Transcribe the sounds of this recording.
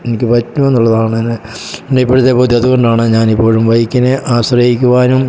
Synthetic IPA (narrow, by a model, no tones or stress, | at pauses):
e̞nikʲːɨpɐtːumenːuɭːɐðaːɳɨɐnɨ | eɳɖeipːoɻut̪ːepoːd̪iɐðuɣo̞ɳɖaːɳɨɲaːnipːo̞ːɻumʋɐjikʲːineʔaːɕrɐjikʲːuʋaːnum